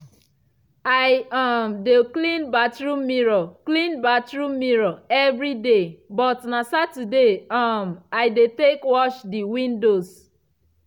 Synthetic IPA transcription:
ajamdeklĩnbatɹumiɹoklĩnbatɹumiɹoɛvɾidebɔtnasatudeɔmaɪdetekwɔʃdiwĩndos

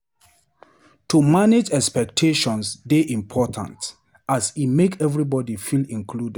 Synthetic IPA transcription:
tʰumaned͡ʒɛkspɛk̚tʰeʃɔ̃nsdeʔĩmpʰɔtʰã̰nt | asimekʰɛvɹibɔdifilĩnkʰlud

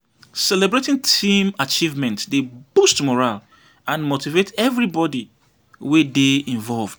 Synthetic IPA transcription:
sɛlɛbɹetĩŋtʰĩmat͡ʃivmɛ̃ntdebustmɔɹal | ãnmotivetʰɛvɹibɔdi | wedeĩɱvɔlvd̥

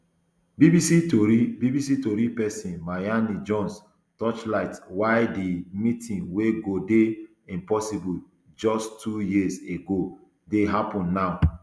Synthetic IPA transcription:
bibisitoɾibibisitoɾipɛsĩnmajanid͡ʒɔ̃ns | tɔt͡ʃlaɪtwaɪdimitʰĩnweɡode | ĩmpɔsibul | d͡ʒɔstʰujiseɡo | deɦapɔ̃nːaʊ

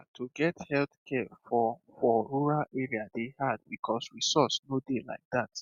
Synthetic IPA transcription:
tʰuɡɛthɛlθkʰɛfɔ | fɔɹuɹalɛɹiadehad̚bikʰɔsɹisɔsnodela̰ɪk̚dat

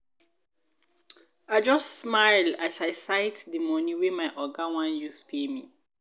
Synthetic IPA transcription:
aɪd͡ʒɔstsmaɪlasaɪsaɪtdimɔniwemaɪʔɔɡawãnjuspʰemḭ

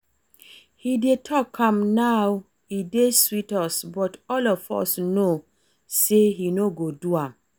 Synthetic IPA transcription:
hidetʰɔkʰãmnaw | ideswitɔsbɔtɔlɔfɔ̰sno | seɦinoɡoduãm

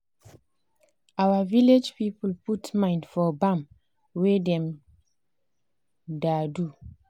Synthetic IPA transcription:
awaviled͡ʒpipulputmãɪ̃ndfɔbãm | wedɛ̃m | dadu

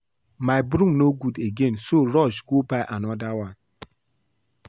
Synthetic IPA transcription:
maɪbɾumnoɡudeɡensoɾɔd͡ʒɡobaɪʔanɔdawan

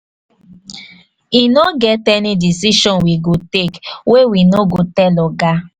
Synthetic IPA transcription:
inoɡɛtɛnidisiʃɔ̃nwiɡotekwewinoɡotɛlɔɡa

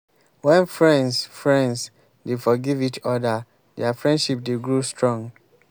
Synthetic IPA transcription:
wɛ̃nfɹɛ̃nsfɹɛ̃ns | defɔɡivit͡ʃɔdə | dɛafɹɛ̃ndʃip̚deɡɹustɹɔ̃ŋ

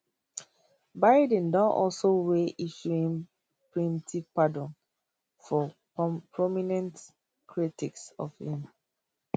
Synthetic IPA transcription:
baɪdɛ̃ndɔ̃nʔɔlsoweʔiʃuĩŋ | pɹĩntipadɔ̃n | fɔ | pʰɹɔminɛ̃nt | kʰɹitiksɔ̰fhĩm

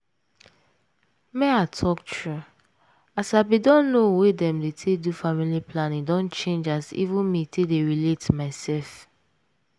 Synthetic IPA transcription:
mɛ̃atʰɔk̚tʰɹu | asaɪbidɔ̃nːowedɛ̃mdetʰedufamiliplãnĩŋdɔ̃nt͡ʃẽnd͡ʒasḭvũnmitʰedeɹiletmaɪsɛlf

